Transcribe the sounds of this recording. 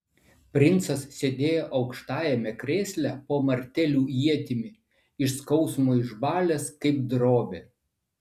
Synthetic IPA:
pʲɾʲɪnˑt̪sɐssʲed̪ʲeːjoːʔɒʊkʃt̪ɑːjɛmʲɛkɾʲeːsʲlʲæpoːmɐɾʲt̪ʲɛlʲuːjiɛt̪ʲɪmʲɪ | ɪʃskɒʊsmoːɪʒbɑːlʲeskɐɪp̚d̪ɾoːbʲeː

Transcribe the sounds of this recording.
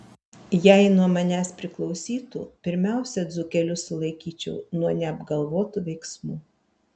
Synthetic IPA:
jæɪnuɔmɐnʲæspʲɾʲɪklˠɒʊsʲiːt̪ṵːpʲɪɾʲmʲæˑʊsʲɛd̪zʊkʲɛlʲʊsʊlˠɐɪkʲiːt͡ʃʲɛʊnuɔnʲɛɐbɡɐlˠʋoːt̪uʋʲɛɪksmuː

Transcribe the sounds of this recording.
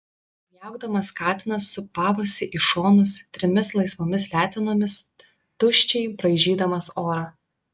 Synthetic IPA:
jɛˑʊɡd̪ɐmɐskɑːt̪ʲɪnɐsːʊpɑːʋʊsʲɪʔiʃoːnʊst̪ʲɾʲɪmʲɪslˠɐɪsʋoːmʲɪslʲæːt̪ʲɛnoːmʲɪs | t̪ʊʃʲt͡ʃʲɛɪpɾɐɪʒʲiːd̪ɐmɐsoːɾɑː

